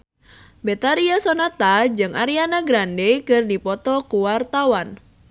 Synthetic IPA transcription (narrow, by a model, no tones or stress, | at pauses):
bet̪aɾiasɔnat̪ad͡ʒɨŋaɾianaɡɾandekɨrdipɔt̪ɔkuwart̪awan